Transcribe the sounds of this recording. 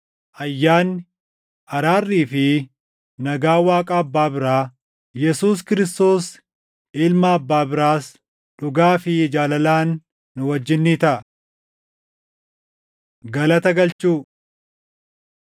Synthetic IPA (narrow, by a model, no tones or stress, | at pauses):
ʔɐjːaːnːɪ | ʔɐɾaːrːiːfɪ | nɐɡaːwaːkʼaːɐbːaːbɪɾaː | jɛsuːs̬kɪɾɪst̪o̞ːs | ɪlmɐːbːaːbɪɾaːs | ᶑʊɡaːfɪd͡ʒaːlɐlaːnː | ʊwɐd͡ʒːɪnːiːt̪ɐʔɐ | ɡɐlɐt̪ɐɡɐlt͡ʃuː